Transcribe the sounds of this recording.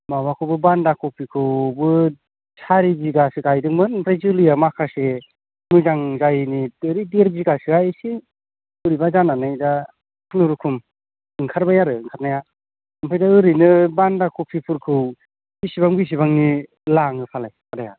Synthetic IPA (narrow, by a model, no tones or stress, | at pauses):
maβakʰɯwbɯbandakʰɔwpʰikʰɯwbɯ | sʰaɾibiɡasɯɡajdɯŋmɯnpʰɾazuliamakʰase | mɯzaŋzajniɯɾideɾziɡasɯajsi | ɯɾibazananɯjda | kʰnuɾukʰum | ɯŋkʰaɾbajaɾɯɯŋkʰat̚naja | ɯmpʰajdaɯɾinɯbandakʰuwpʰipʰuɾkʰɯw | bisibaŋɡis̬ibaŋni | laŋɯpʰalajadaja̰